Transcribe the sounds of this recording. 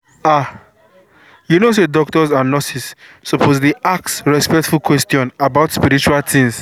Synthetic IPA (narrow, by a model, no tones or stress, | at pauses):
a | junos̬edɔk̚tɔsanɔsisːopʰozliʔak̚tsɹɛspɛktfulkwɛstjɔ̃nabaʊtspiɾit͡ʃualtʰĩŋs